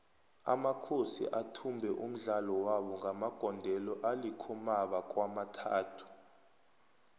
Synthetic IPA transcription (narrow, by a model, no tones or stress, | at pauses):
a̰makʰosḭʔatʰumbʱɛʔum̩ɮalɔwaɓɔŋɡʱamaɡ̥ʱɔndʱɛlɔʔalikʰumaɓak̬ʼwamatʰaːtʰu̥